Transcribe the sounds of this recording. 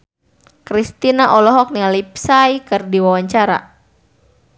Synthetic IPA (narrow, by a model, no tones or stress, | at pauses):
kɾist̪inaʔɔlɔɦɔk̚nialipsajkɨrdiwawaɲt͡ʃaɾa̰